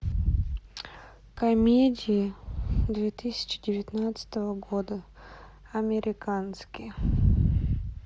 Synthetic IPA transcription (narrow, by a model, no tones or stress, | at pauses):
kɐmʲedʲɪjɪd̪vʲet̪ɨsʲɪ̥t͡ɕɪdʲɪvʲɪt̪nat̪sə̥t̪əvəɡod̪ə | ɐmʲɪɾʲɪkanskʲɪj